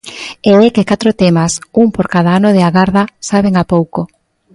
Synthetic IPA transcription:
eɛkekat̪ɾot̪ɛmasuŋpoɾkað̞aanoð̞eaɣaɾðasaβ̞eŋapowko

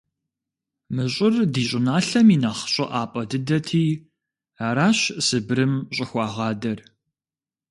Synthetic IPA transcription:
mɨɕʼɪrdiːɕʼɪnaːɬɐmiːnaχɕʼɐ̰ʔaːpʼɐdɨdɐtʰiː | aːɾaːɕsɨbɾɨmɕʼɪxʷɑːʁɑːdɐr

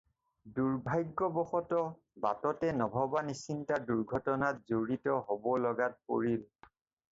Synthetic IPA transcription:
duɹbʱajɡːɔbɔxɔtɔ | batɔtɛnɔbʱɔbanisintaduɹɡʱɔtɔnatzoɹitɔɦobɔlɔɡat̚po̰ɹil

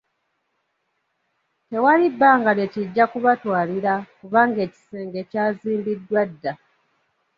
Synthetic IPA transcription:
te̞walibːaːŋɡale̞tiɟːakuβatwaːliɾakuβaːŋɡe̞ːci̥se̞ːŋɡe̞caːziːmbidːwadːa

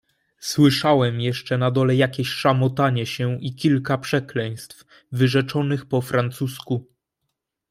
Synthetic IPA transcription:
swɘʂawɛmjɛʂt͡ʂɛnad̪ɔlɛjakʲeɕʂamɔt̪aɲɛɕɛikʲilkapʂɛklɛj̃st̪f | vɘʐɛt͡ʂɔnɘxpɔfɾant̪susku

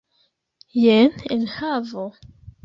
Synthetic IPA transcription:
jenenhavo

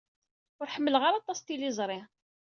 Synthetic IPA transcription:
ʊɾħəmːəlʁaɾɑt̪ˤɑst̪ilizˤɾˤɪ

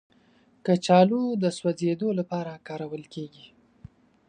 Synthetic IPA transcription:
kət͡ʃɑlod̪əswazed̪olapɑɾakɑɾawəlkeɡi

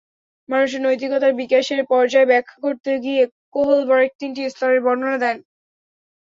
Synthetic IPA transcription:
manuʃ̬eɾnojt̪̬iɡɔt̪aɾbikaʃeɾpɔɾd͡ʑaebɛkʰːḁkoɾt̪eɡiekoɦolbɔɾek̚t̪inʈist̪ɔɾeɾbɔɾnonad̪ɛn

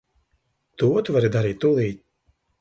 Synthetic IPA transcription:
t̪uɔt̪uvaɾid̪aɾiːt̪ʲːulˠiː

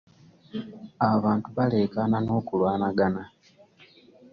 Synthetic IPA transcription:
aβaːntuβale̞ːkanano̞ːkulwaːnaɡana

